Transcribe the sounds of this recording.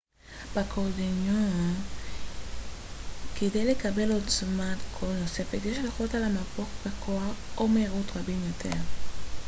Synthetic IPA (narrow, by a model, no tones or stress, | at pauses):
b̥akʰodeno | kedejle̞kabe̞lo̞t͡smatkʰolnose̞fetjeʃleχotalamapoχbekʰoaχʔomeːʁutʁabimjo̞tʰe̞ʁ